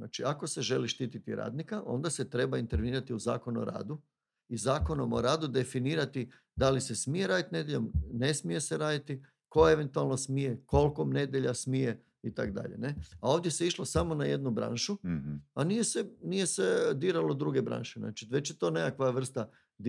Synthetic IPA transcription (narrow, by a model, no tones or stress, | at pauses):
na̰ːt͡ʃiako̞se̞ʒe̞liʃt̪iːt̪it̪ḭɾa̰ːd̪nikaʔo̞̰nd̪ase̞t̪ɾe̞baint̪eɾʋeniːɾat̪iuza̰ːko̞nuo̰ɾa̰ːd̪u | izaːko̞no̞moɾaːd̪ud̪e̞finiːɾat̪i | d̪alise̞smije̞ɾaːd̪it̪ine̞d̪jeʎomne̞smije̞seɾaːd̪it̪i | ko̞e̞ʋe̞nt̪ualˠno̞smije̞ko̞lkomne̞d̪ʲjeʎasmije̞ | it̪a̰kd̪a̰ʎe̞ne̞ao̞ʋd̪je̞se̞iʃlˠosamo̞naje̞d̪nubɾa̰ːnʃuanijesenije̞se̞d̪iɾalˠo̞d̪ɾuɡe̞bɾa̰ːnʃena̰ːt͡ʃiʋe̞t͡ɕjet̪o̞ːnekakʋaʋr̩st̪a | d̪